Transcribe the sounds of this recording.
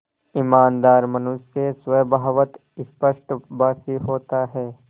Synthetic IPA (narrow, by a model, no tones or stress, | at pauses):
ɪmaːnd̪aːɾmɐnʊʃːesʋɐjbʱaːʋət̪ | ɪspəʃʈbaːsiɦoːt̪aɦɛː